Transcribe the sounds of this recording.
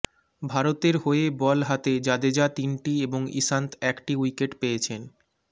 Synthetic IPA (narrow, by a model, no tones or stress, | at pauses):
bʱaɾot̪eɾɦoebɔlɦat̪ed͡ʑad̪ed͡ʑat̪inʈieboŋḭsant̪ɛkʈiwikeʈpejet͡ɕʰen